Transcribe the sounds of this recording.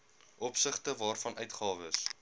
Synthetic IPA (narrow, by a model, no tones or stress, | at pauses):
ʔɔpsəχtəvɑːrfɐnʔœɥtχɑːvəs